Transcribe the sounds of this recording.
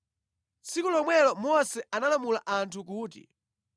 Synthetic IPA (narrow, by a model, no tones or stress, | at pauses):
t͡sikulɔmwɛlɔmɔsɛanalamulaʔantʰukuːtḭ